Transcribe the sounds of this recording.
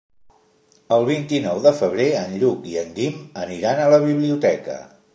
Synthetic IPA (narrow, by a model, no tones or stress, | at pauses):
əlˠβ̞int̪inɔwðəfəβ̞ɾeənʎukiənd̪iməniɾanələβ̞iβliut̪ɛkə̰